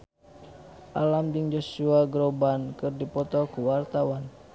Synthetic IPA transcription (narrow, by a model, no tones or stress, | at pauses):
ʔalamdiŋd͡ʒosuaɡɾobankɨrdipɔt̪ɔkuwart̪awan